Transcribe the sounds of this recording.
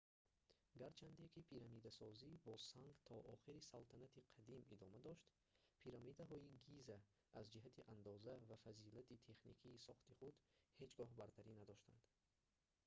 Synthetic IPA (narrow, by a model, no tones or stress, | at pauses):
ɡaɾt͡ʃʰand̪ekʰipʰiɾamid̪asɔzibɔsaŋɡt̪ʰɔʔɔχiɾisalt̪ʰanat̪ʰiqʰad̪imid̪ɔmad̪ɔʃt̪ | pʰiɾamid̪aɦɔiɡizaː | zd͡ʒiɦat̪ʰiʔand̪ɔzavafazilat̪ʰit̪ʰe̞χnikʰiːsɔχt̪iχud̪he̞d͡ʒɡɔɦbaɾt̪ʰaɾinad̪ɔʃt̪a̰nd̪̥